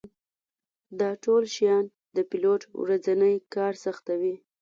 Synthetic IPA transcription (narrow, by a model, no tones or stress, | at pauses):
d̪ɑʈolʃjɑn | d̪əpiloʈwɾad͡zanəjkɑɾsaxt̪awi